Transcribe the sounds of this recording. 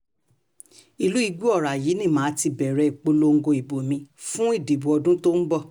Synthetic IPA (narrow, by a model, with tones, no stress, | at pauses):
i˨lu˨˦i˧ɡu˦ɔ˦˨ɾa˨ji˨˦nĩ˦˨mãː˨˦ti˧bɛ˨ɾɛ˨k͡po˧lo˧ŋ̩˦ɡo˧i˨bo˨mĩ˧fũ˦i˦˨de˨bu˨ɔ˧dũ˦to˦n̩˦bɔ˦˨